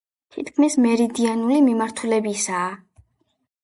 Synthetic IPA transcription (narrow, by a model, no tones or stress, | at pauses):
t̪ʰit̪kʰmismɛɾid̪ianulimimaɾt̪ʰulɛbisaː